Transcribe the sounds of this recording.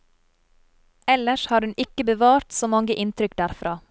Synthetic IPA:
ɛləʃhɑːɾhʉnɪkəbəʋɑːɾt̪soːmɑŋɡəʔɪnt̪ʰɾʏkd̪æːɾfɾʔɑː

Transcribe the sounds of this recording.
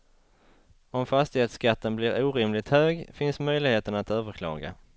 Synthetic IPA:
ɔmfast̪ɪheːt̪skat̪ʰːənblɪɾuːɾɪmlɪt̪høːɡfɪnsmœjlɪɡheːt̪ənat̪øːvəɾkʰlɑ̰ːɡa̰

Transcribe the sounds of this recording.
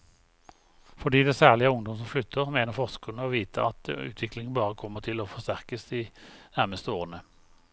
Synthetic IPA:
fɔd̪iːd̪ɛsæːʁlɪəʊŋd̪ɔmsɔmflʏt̪ʰːəʁmeːnəʁfɔʁskʰʉnəoːʋiːt̪ʰəɑt̪ʉ̰ːt̪ʰʋɪklɪŋnbɑːʁəkʰɔmːəʁt̪ʰɪloːfɔst̪æʁkəsd̪iːnæʁməst̪əoːʁənə

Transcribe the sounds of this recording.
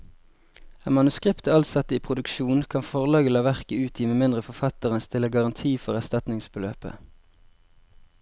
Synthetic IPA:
emɑnʉskʁɪpt̪əɑlsɑt̪əiːpʰʁʊd̪ʉkʃuːnkʰɑnfɔʁlɑːɡəlɑːʋæʁkəʉːt̪ʰiːmeːmɪnd̪ʁəfɔfɑt̪əʁənst̪ɪləɡɑʁɑnt̪ʰiːfɔʁæst̪ɑt̪nɪŋsbəlø̰ːpə̰

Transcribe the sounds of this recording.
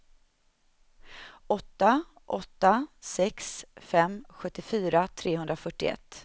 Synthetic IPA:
ɔt̪ːa | ʔɔt̪ːasɛksfɛmɧɵt̪ːɪfyːɾat̪ʰɾeːɦɵnd̪ɾafœʈːɪɛ̰t̪ː

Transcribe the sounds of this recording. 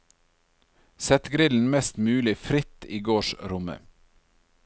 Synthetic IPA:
sɛt̪ɡɾɪln̩mɛst̪mʉːlɪfɾɪt̪iːɡoːʃɾʊmə̰

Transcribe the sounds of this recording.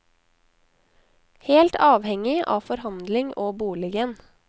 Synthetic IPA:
heːlt̪ɑːʋhɛŋɪʔɑ̰ːfɔɾhɑnd̪lɪŋʔoːbuːlɪɡən

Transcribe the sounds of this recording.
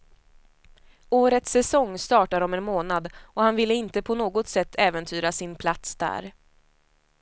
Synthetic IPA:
oːɾət̪sːɛsɔŋːst̪ɑːʈaɾɔmɛnmoːnad̪ɔhanvɪlːəɪnt̪əpʰɔnoːɡɔt̪sɛt̪ʰːɛːvənt̪ʰyːɾasɪnpʰlat̪sd̪æ̰ːɾ

